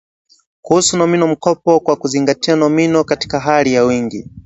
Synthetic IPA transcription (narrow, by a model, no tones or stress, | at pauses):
kuhusunɔminɔm̩kɔpɔkwakuziŋɡatianɔminɔkati̥kaɦalijawiŋɡi